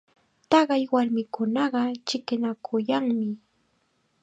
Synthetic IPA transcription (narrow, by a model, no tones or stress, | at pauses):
t̪ɑɢɑjwaɾmɪkʊnɑɢɑt͡ʃɪkɪnakʰʊjaŋmɪ